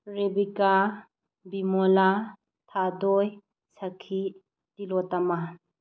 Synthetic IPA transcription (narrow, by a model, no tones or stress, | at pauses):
ɾebika | bimɔla | tʰadɔj | sakʰi | dilɔtama